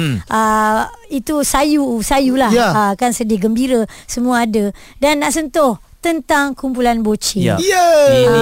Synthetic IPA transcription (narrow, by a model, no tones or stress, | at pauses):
ʔəit̪usajusajulahakansədɪɡəmbiɾəsəmũaːdə | danːaʔsənt̪ʊh | t̪ənt̪aŋkumpulanbot͡ʃijɛ